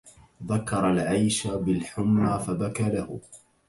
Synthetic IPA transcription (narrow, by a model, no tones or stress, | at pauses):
ðakːɑɾˤalʕajʃabɪlħʊmːaːfabakaːlahʊ